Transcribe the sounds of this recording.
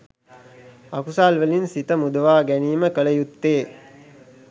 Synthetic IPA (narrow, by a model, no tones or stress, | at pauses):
akusaːlʋəlinsit̪əmud̪əʋaːɡæniːməkələjut̪ːeː